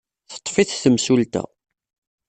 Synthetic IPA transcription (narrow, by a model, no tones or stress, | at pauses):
θə̥t̪ˤːfiθθəmsult̪æ̰